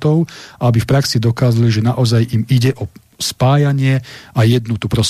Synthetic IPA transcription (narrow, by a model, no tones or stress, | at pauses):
t̪ɔʊʔabifpɾaksid̪ɔkaːzaliʒɛnaʔɔzajimiɟɛʔɔ | spaːjaɲɪɛajɛd̪nut̪upɾɔs